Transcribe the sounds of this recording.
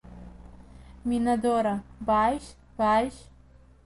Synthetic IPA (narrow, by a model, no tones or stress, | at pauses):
mʲinɐd̪ɔɾɐbajʃ | b̥ajʃ